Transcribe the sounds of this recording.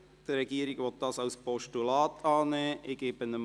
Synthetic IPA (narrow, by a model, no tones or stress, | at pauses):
d̥əɾɛɡ̥iːɾɪɡʋɔt̚d̥ɑːsɑʊspʰɔʃtulɑːtʰɑːnɛːʔɪɡeːbənəm